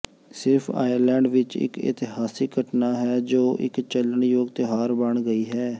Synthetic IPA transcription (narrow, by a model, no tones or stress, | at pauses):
sɪɾpʰa̰ːjəɾlɛ̃ːɳɖʋɪt͡ʃɪ̰kɪ̰t̪ɪɦaːsiːɡəʈnaːɦɛːd͡ʒoːʔɪ̰kt͡ʃələɳjoːɡt̪eɦaːɾbəɳɡəiːɦɛː